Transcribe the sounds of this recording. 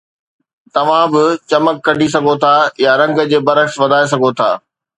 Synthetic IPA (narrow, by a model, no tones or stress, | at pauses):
t̪ɐʋ̤ãbɪt͡ɕɐməkːɐɖʱis̬ɐɡʱot̪ʰajaɾɐ̃ŋɡd͡ʑeːbɐɾəksʋɐd̪ʱaːes̬ɐɡʱot̪ʰa̰ː